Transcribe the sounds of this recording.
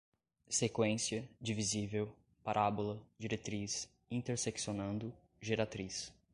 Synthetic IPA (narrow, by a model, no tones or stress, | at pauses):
sekwẽsiɐd͡ʒivizivew | paɾʔabolɐd͡ʒiɾet̪ɾis | ĩnt̪eɾseksionɐ̃nd̪ʊ | ʒeɾat̪ɾis